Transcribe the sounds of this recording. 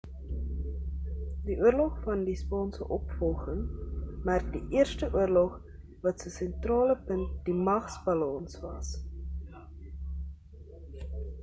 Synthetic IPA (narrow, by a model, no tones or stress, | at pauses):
diʔuərlɔχfɐndispɑːnsə̰ʔɔpfɔlˠχəŋmærk̚diʔiərstəʔuərlɔχ | vɐtsəsɛntrɑːləpənt̚dimɐχsbɐlɑnsvɐs